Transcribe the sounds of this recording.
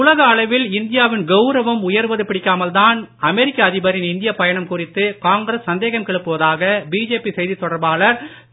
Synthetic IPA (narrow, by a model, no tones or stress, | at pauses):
ʊlɐɣɐːɭɐɪʋɪlɪnd̪ɪjaːʋɪnɡɐʊɾɐʋɐmʊjɐɾʋɐðɯpɪɽɪkːaːmɐlt̪aːnɐmɛɾɪkːɐːðɪbɐɾɪnɪnd̪ɪjɐpɐjɐɳɐmkʊrɪt̪ːɯkaːŋɡɾɐsːɐnd̪eːɣɐmkɛɭɯpːɯʋɐðaːɣɐbiːd͡ʒeːpisɛjðit̪ːɔɽɐɾbaːlɐɾ